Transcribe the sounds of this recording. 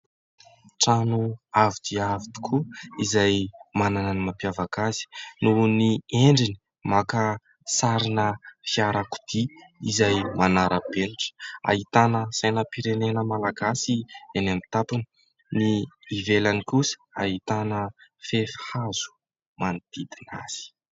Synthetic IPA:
ʈ͡ʂanuavid̪iavid̪i̥kʰuizajmanananimapjavakazi̥nunieɳɖ͡ʐini̥ | makə | saɾinəfiaɾaku̥d̪̥iizajmanaɾʔəbeniʈ͡ʂə̥a̰ɦit̪anəsajnəpiɾenenəmalaɡasienamit̪apini̥ | niːvelanikusə̥aɦit̪anəfefhaz̥u̥ | manid̪̥id̪ina̰z̥i̥

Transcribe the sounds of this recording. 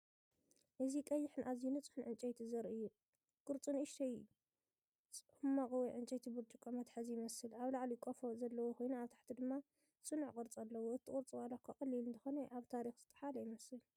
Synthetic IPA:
ʔɨzikʼɐjːɪħɨnʔazjinɨt͡sʼɨ̥ħɨnʕɨnt͡ʃʼɐjt̪ʰizɐɾɨjːu | kʼɨɾt͡sʼɨnɨʃt̪ʰɐj | sʼħumːakʼɨwiʕɨnt͡ʃʼɐjt̪ʰibɨt͡ʃ̪ʼukʼomɐt̪ħazijɪmɐsɨlʔaβlaʕlikʼofozɐlːɐwokʰo̞jnuaβt̪ʰḁħt̪ʰid̪ɨmːa | sʼɨnuʕkʼɨɾt͡sʼalːɐwoɨt̪ʰikʼɨɾt͡sʼɨwalakʰɐkʼɨlːilɨnt̪ʰɨ̥xonɐʔaβt̪ʰaɾixz̥ɨt̪ʼɨ̥ħalɐjɪmɐsɨl

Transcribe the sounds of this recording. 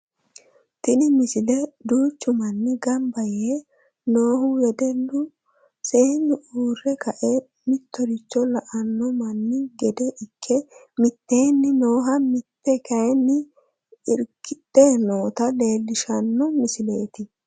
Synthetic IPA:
t̪ɪnɪmɪsɪlɛd̪uːt͡ʃːʊmɐnːɪɡɐmbɐjeː | noːhʊwɛd̪ɛlːʊ | seːnːɪʔuːrːɛkɐʔɛ | mɪt̪ːɔɾɪt͡ʃːɔlɐʔɐnːɔmɐnːɪɡɛd̪ɛʔɪkʰːɛ | mɪt̪ːeːnːɪno̞ːɦɐmɪt̪ːɛkɐjnːɪ | ɪɾkːɪt̪ːeːno̞ːt̪ɐle̞ːlːɪʃɐnːɔmɪsɪle̞ːt̪ɪ

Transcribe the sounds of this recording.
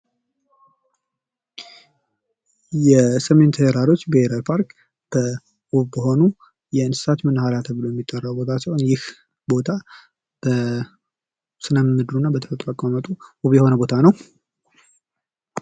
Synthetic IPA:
jɛsəme̞nt̪ʰəjɛɾaɾo̞t͡ʃːbeeɾalpʰaɾk | b̥ə | ʔuβbəɦo̞nu | jɛɨnsɨ̥sat̪mɨnhalat̪ʰəβɨlojɛmːit̪ʼːərːawbo̞t̪ʰat͡ʃːɛwnjɪh | bo̞t̪ʰa | b̥ə | sɨnəmmːɨd̪ɾunːabət̪ʰə̥fət̪ʼɾəkʼomət̪ʼuuβjɛho̞nəbo̞t̪ʰanəw

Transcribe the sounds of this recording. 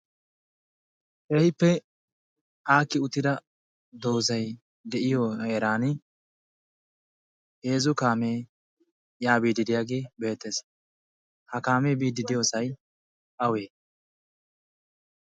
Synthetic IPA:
ʔɛhɪpːɛ | ʔaːkːɪʊt̪ːɪd̪ɐ | d̪oːzɐj | d̪ɛʔɪjoeːɾaːnɪ | he̞ːzʊkaːmeː | jaːbiːd̪ɪd̪ɪjaːɡe̞ːbe̞ːt̪ːes | hɐkaːme̞ːbiːd̪ɪd̪ɪjoːsɐj | ʔɐweː

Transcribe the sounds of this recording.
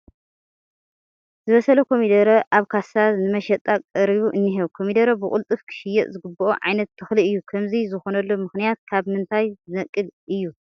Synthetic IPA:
zɨβɐsɐlokʰo̞mid̪ɐɾɐʔaβkʰasaznɨmɐʃɐt̪ʼːakʼɐɾiβuʔɨnːiɦeβkʰo̞mid̪ɐɾɐbɨkʼʊ̰lt̪ʼɨfkʰɨ̥ʃɪjːɛʔzɨɡɨbɨʔoʕa̰jnɐt̪ʰːɨxliɨjːukʰɐmzizɨxo̞nɐlːomɨxnijat̪̚kʰaβmɨnt̪ʰajzɨnɐkʼːɨlʔɨjːu

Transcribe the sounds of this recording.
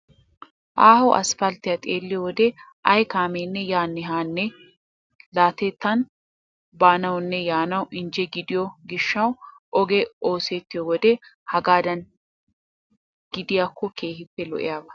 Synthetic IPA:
ʔaːhɔwʔɐ̰sfɐlt̪ɪjɐt̪ʼeːlːɪjɔwɔd̪ɛ | ʔɐjkaːmeːnːɛjaːnːɛɦaːnːɛ | laːt̪ɛt̪ːɐn | baːnɐwʊnːɛjaːnɐwʔɪnd͡ʒɛɡɪd̪ɪjɔɡɪʃːɐwʔɔɡɛo̞ːset̪ːɪjɔwɔd̪ɛhɐɡaːd̪ɐn | ɡ̥ɪd̪ɪjakːɔke̞ːhɪpːɛlɔ̰ʔɪ̰jaːbɐ

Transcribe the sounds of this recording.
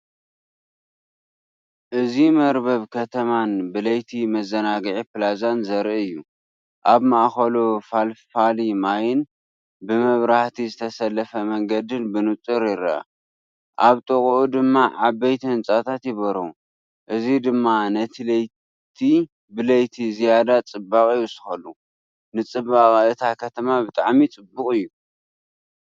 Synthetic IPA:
ʔɨzimɐɾbɐβkʰɐt̪ʰɐmanbɨlɐjt̪ʰimɐzɐnaɡʕipɨlazanzɐɾiɨjːu | ʔaβmaʔxɐlofalfalimajɪn | bɨmɐβɾaħt̪ʰizɨt̪ʰɐsɐlːɐfɐmɐŋɡɐd̪ɨnbɨnut͡sʼːɨɾɪɾa̰ | ʔaβt̪ʼɨkʼʔud̪ɨmːaʕabɐjt̪ʰiɨnt͡sʼat̪ʰat̪jɪβɐɾo | ʔɨzid̪ɨmːanɐt̪ʰilɐj | t̪ʰi | bɨlɐjt̪ʰizijad̪at͡sʼɨbakʼɨjɨsɨ̥xɐlu | nɨt͡sʼɨbaχʼɨt̪ʰakʰɐt̪ʰɐmabɨt̪ʼaʕmit͡sʼɨbːʊkʼɨjːu

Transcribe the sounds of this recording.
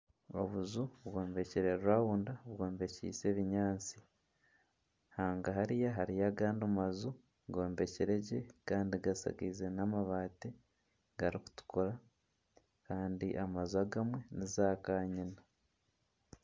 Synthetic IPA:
o̞̰βuzuβɡo̞ːmbe̞ciɾe̞ɾuawundaβɡo̞ːmbe̞cḭse̞βiɲaːt͡si | haːŋɡaɦaɾijaɦaɾijaɡaːndumazu | ɡo̞ːmbe̞ciɾe̞ɟe̞kaːndiɡasa̰ɡizenamaβaːte | ɡaɾiku̥tu̥kʰoɾa | kaːndiʔamazuaɡamwe̞nizaːkaːɲina

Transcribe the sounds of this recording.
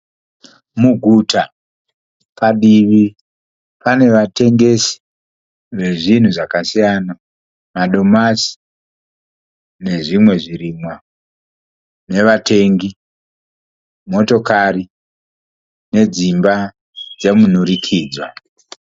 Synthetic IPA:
muɡʱuta | paɗiʋi | pane̞ʋate̞ŋɡe̞si̥ | ʋe̞ʐin̤uʐakasijana | maɗo̞masi̥ | ne̞ʐimwe̞ʐiɾimwa | ne̞ʋatʰe̞ŋɡi | mo̞to̞kari | ne̞d͡zimba | d͡zemunuɾikʰiːd͡zwa

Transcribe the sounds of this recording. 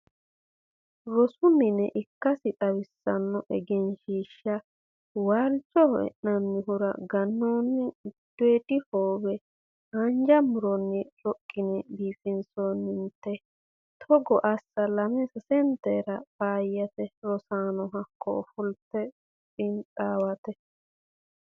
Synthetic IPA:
ɾɔsʊnːɪnɛʔɪkːɐsɪt̪ʼɐwɪsːɐnːɔʔɛɡɛnʃiːʃːɐ | waːlt͡ʃʼːɔhɛ̰ʔnɐnːɪɦʊɾɐ̰ɡɐnːoːnːɪd̪̥eːd̪ɪhoːbɛ | hɐnd͡ʒɐmʊɾɔnːɪɾɔkʼːɪnɛbiːfɪnsoːnːɪnt̪ːɛ | t̪ʰɔɡɔʔɐsːɐlɐmɛsɛsɛnt̪ɛɾɐb̥aːjːɐt̪ɛɾɔsaːnɔɦɐkːɔ̰ɔfʊlt̪ːɛ | pʼɪnt͡sʼaːwɐt̪ɛ

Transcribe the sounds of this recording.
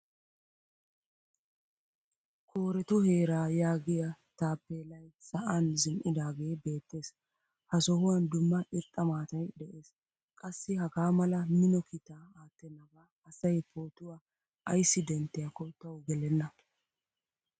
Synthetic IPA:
kʰoːɾɛt̪ʊhe̞ːɾaːjaːɡɪjɐt̪aːpːeːlɐjsɐʔɐnzɪmʔɪd̪aːɡe̞ːbe̞ːt̪ːe̞ːs | hɐsɔhʊwɐnd̪ʊmːɐʔɪɾt̪ʼːɐmaːt̪ɐjd̪ɛʔe̞ːs | kʼɐsːɪhɐɡaːmɐlɐmɪnɔkʰɪt̪aːaːt̪ːɛnːɐɡaː | ɐsɐjpoːt̪ʊwaː | ʔɐjsːɪd̪ɛnt̪ːɛjɐkɔt̪ːɐwɡɛlɛnːɐ

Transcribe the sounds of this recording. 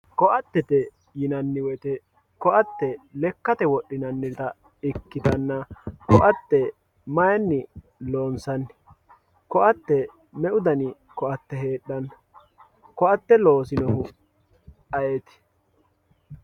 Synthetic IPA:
kɔʔɐt̪ːɛt̪ɛ | jɪnɐnːɪwɛt̪ɛ | kɔʔɐt̪ːɛlɛkːɐt̪ɛwɔɗːɪnɐnːɪt̪ɐ | ɪkːɪt̪ɐnːɐkɔʔɐt̪ːɛ | mɐjɐnːɪ | loːnsɐnː | kɔʔɐt̪ːɛ | mɛʔʊd̪ɐnɪ | kɔʔɐt̪ːɛɦe̞ːɗːɐn | kɔɐt̪ːɛlo̞ːsɪnɔhʊ | ɐjet̪ɪ̥

